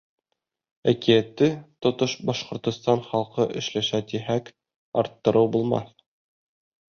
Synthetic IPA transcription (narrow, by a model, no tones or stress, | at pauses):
ækijæt̪ːɘt̪ŏt̪oʃbɑʃqŏɾt̪ŏst̪ɑnχɑlˠqɤʔɘ̆ʃlæʃæt̪iɦæk | ɑɾt̪ːɤ̆ɾɤwbulˠmɑ̰θ